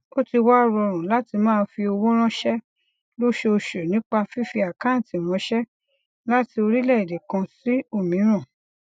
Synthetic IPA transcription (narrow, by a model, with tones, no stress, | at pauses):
o˦ti˧wa˦˨ɾɔ˧ɾ̃ũ˨la˦ti˧mãː˦˧n̩˦fi˧o˧wõ˦ɾ̃ɔ̃˦ʃɛ˦ | lo˦ʃe˧o˧ʃe˨nĩ˦k͡pa˧fi˦fi˧a˨kã˦n̩˨ti˨ɾ̃ɔ̃˨˦ʃɛ˦ | la˦ti˧o˧ɾi˦lɛ˦˨i˨de˨kã˧si˦o˦˨mĩ˨˦ɾ̃ã˦˨